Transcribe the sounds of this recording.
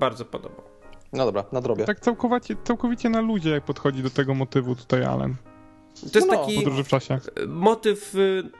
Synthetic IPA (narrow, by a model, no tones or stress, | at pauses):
baɾd̪zɔpɔ̰d̪ɔ̰ba̰ | nɔd̪ɔbɾanad̪ɾɔbjɛt̪akt̪sawkɔvat͡ɕɛt̪sawkɔvʲit͡ɕɛnalud͡ʑɛjak̚pɔt̪xɔd͡ʑid̪ɔt̪ɛɡɔmɔt̪ɘvut̪u̥t̪aja̰lɛ̰n | t̪ɔjɛst̪akʲipɔd̪ɾuʐɨft͡ʂaɕɛmɔt̪ɘf